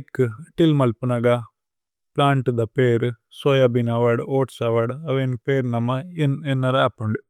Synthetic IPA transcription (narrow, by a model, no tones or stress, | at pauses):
kːɨʈilmɐlpunɐɡa | plaːɳʈɨd̪ɐpeːɾɨsojabinaʋaɽoːʈsaʋaɽɐʋenpeːɾnɐmːaenenːɐɾaːpɐɳɖɨ